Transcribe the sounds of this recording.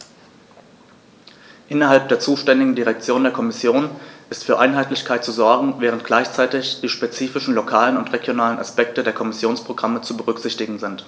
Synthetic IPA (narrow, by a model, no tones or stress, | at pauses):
ʔɪnɐɦalp̚d̥eːɐt͡suːʃtɛndɪɡŋ̩diʁɛk̚t͡sjoːndeːɐkʰɔmɪsjoːnʔɪstfyːɐʔaɪnɦaɪtlɪçkʰaɪt̚t͡suzɔɐɡŋ̩vɛːʁ̞əntɡ̥laɪçt͡saɪtɪçd̥iːʃpet͡siːfɪʃn̩lokʰaːlənʊntʁeɡjonaːlənʔa̰spɛk̚tədeːɐkʰɔmɪsjoːnspʁ̥oɡʁamət͡subəʁʏkz̥ɪçtɪɡŋ̩zɪnt